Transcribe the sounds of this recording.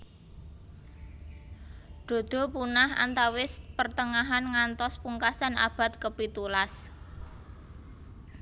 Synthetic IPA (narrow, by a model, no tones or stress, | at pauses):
ɖ̪̥o̤d̪̥o̤punaha̰nt̪awɪspərt̪əŋaɦanŋant̪ɔspuŋkasanʔa̰b̥a̤t̪̚kəpit̪ulas